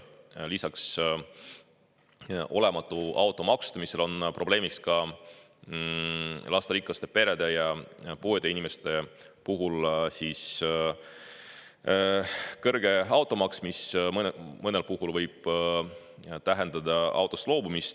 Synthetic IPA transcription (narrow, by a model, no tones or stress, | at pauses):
lisɑks | ʔo̞le̞mɑt̪ːˑuʔɑwt̪ːˑo̞mɑkst̪ɑmiselo̞npro̞b̥le̞ːmikskɑ | lʔɑst̪ɑɾikːˑɑst̪e̞pe̞ɾe̞d̪̥e̞jɑpuːed̪̥einime̞st̪e̞ | puɦulsis | kɤrɡ̥e̞ɑwt̪ːˑo̞mɑksmismmɤne̞lpuɦulvɤjb̥ | t̪æɦe̞nd̪̥ɑd̪̥ɑɑ̰wt̪ːˑoslo̞ːbumist̪